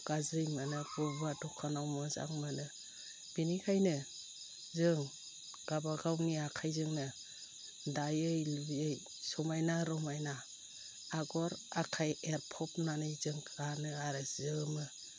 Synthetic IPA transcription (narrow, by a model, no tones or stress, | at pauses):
ɡ̥azɯjmanɯbɯbadɔkʰanawmɔza̰ŋmanɯ | b̥inikʰajnɯ | zɯŋ | ɡ̥abaɡawniakʰajzɯŋnɯ | dajɯjlubiɯj | sɔmajnaɾɔmajnaː | ɡɔɾakʰajeɾpʰɔp̚nanɯjzɯŋkʰɾanɯaɾɯz̥ɯmɯ